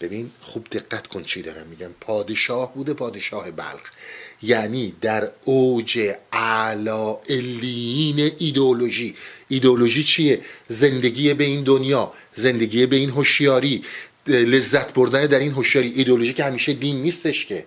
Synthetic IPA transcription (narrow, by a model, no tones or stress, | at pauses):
b̥e̞binχubd̪e̞ɡːæt̪kʰont͡ʃʰid̪ɒ̰ːɾæ̰mːiːɟæmpʰɒːd̪e̞ʃɒːhbuːd̪e̞pʰɒːd̪e̞ʃɒːhe̞bæ̰lɣjæniːd̪æɾod͡ʒe̞ʔælɒːʔelːiiːneʔid̪eoloʒiːd̪eolo̞ʒiːt͡ʃʰijeze̞nd̪eɟiːjebe̞iːnd̪onjɒː | ze̞nd̪e̞ɡiːebe̞inɦoʃjɒːɾiː | le̞zːæt̪ʰbo̞ɾd̪æned̪æɾinɦoʃjɒːɾiːʔːd̪eoloʒiːcʰehæmiːʃed̪iːnːiːst̪e̞ʃcʰe̞